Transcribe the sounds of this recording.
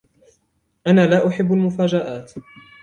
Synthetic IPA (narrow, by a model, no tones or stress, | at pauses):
ʔanaːlaːʔʊħɪbːalmʊfaːd͡ʒaʔaːt̪